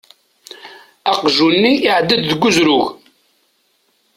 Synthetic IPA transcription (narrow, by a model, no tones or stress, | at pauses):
ɑqʒunːiʔːʕd̪ːəd̪ðəɡːʊzɾʊʝ